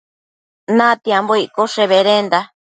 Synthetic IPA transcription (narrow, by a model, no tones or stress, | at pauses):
nãt̪iamboiʔkoʂeβeɾend̪a